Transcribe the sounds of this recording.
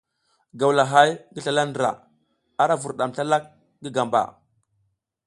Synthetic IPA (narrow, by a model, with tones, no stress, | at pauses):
ɡa˨wla˨ɦa˦jɡə˦ɬa˨la˦ndɾa̰˨ | a˦ɾa˦vu˨ɾɗa˨mɬa˦la˦k̚ | ɡə˦ɡa˨mba̰˨